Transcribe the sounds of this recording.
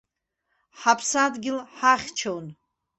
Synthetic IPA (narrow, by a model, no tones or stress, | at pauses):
ħapʰsadɡʲɪlħaχʲt͡ʃʰown